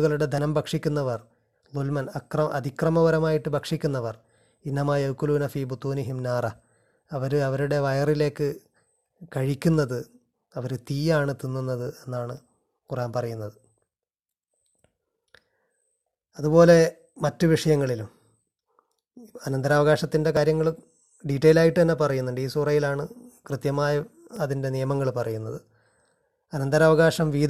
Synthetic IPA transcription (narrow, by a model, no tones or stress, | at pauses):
ɣɐɭuɽe̞d̪ʱɐnɐmbʱɐkʂikʲːunːɐʋɐr | lulmɐnɐkrɐʔɐd̪ʱikrɐmɐʋɐɾɐmaːjiʈːɨbʱɐkʂikʲːunːɐʋɐr | inːɐmaːjɐwkːuluːnɐfiːbut̪uːniɦimnaːrɐ | ɐʋɐɾɐʋɐɾuɽe̞ʋɐjɐrile̞ːkːɨ | kɐɻikʲːunːɐðɨ | ɐʋɐɾɨt̪iːjaːɳɨt̪inːunːɐðɨe̞nːaːɳɨ | kuraːnpɐrɐjunːɐðɨ | ɐðupo̞ːle̞ | mɐtːɨʋiʂɐjɐŋːɐɭilum | ɐnɐnd̪ɐɾaːʋɐɣaːʂɐt̪ːinde̞kaːɾjɐŋːɐɭu | ɖiʈːɐjilaːjiʈːɨt̪ɐnːe̞pɐrɐjunːuɳɖiːsurɐjilaːɳɨkrɨt̪jɐmaːjɐ | ɐðinde̞nijɐmɐŋːɐɭpɐrɐjunːɐðɨ | ɐnɐnd̪ɐɾaːʋɐɣaːʂɐmʋiːd̪